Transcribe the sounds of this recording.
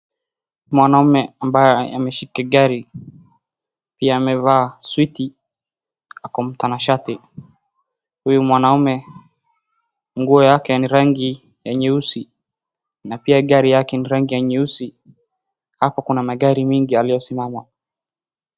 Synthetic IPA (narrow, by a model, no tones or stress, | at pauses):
mwanaumɛambajɛa̰mɛʃikaɠaɾi | piaːmɛvaːswiti | akɔm̩tanaʃati | hujumwanaumɛ | ŋɡuɔjakɛniɾaŋɡi | jɛɲɛusi | napiaɠaɾijakɛniɾaŋɡijaɲɛusi | hapakunamaɠaɾimiŋɡialijɔsimama